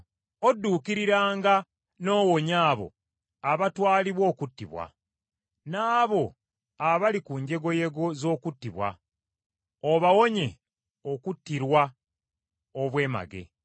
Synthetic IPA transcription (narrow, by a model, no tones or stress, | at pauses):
o̞dːuːkiɾiɾaːŋɡa | no̞ːwoɲaːβo̞̰ | aβatwaːliβwo̞ːkutːiβwa̰ | naːβo̞ | aβalikuɲɟe̞ɡo̞je̞ɡo̞zo̞ːkutːiβwa̰ | oβawo̞ɲe̞ | okutːiɾwa | oβwe̞ːma̰ɡe̞̰